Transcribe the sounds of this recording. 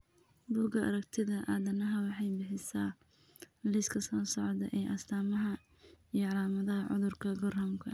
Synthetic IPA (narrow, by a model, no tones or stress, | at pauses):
buːɡɐʔɐ̰ɾɐɡt̪ʰɪðɐʔaːðɐnɐɦɐwɑħɑjbɪħɪsaː | lɪskʰɐsɔːsɔʕd̪ɐʔɛjʔɐst̪ʰaːmɐɦɐ | ijɞʕɑlaːmɐðɐɦɐʕʊ̰ðʊrkʰɐɡɔrhɐmkʰɐ